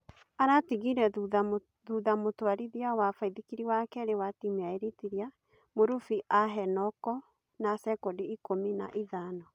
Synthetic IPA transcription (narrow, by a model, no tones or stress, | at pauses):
aɾatiɣiɾɛ | ðuðamotwaɾiðiawafaiðikiɾiwakɛɾewatimeaeɾetiɾia | moɾufiʔaɦɛnɔkɔ | nasɛkɔdiikomina̰ʔiðaːnɔ